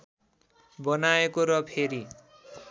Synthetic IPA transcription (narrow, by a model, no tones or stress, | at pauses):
bʌnaekoɾʌpʰeɾi